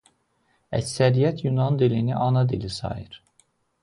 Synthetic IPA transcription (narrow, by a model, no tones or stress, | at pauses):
æ̰csæɾijæt̪ʰjunɑnd̪iliniʔɑnɑd̪ilisɑ̰jɯɾ̥